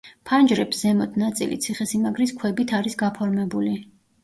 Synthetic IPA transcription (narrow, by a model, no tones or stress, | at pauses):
pʰand͡ʒɾɛpszɛmɔt̪ʰnat̪sʼḭlḭt̪sʰiχɛsimaɡɾiskʰwɛbit̪ʰaɾisɡapʰɔɾmɛbuli